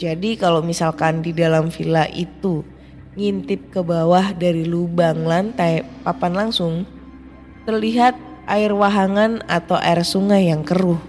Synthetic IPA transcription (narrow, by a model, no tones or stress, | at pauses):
d͡ʒadikalomisalkandidalamfilaʔḭt̪u | ŋint̪ɪp̚kəbawahdaɾilubaŋlant̪apapanlaŋsʊŋ | t̪ərliɦat̪̚ | ʔaɪrwaɦaŋanat̪awʔa̰ɪrsuŋajːaŋkəɾʊh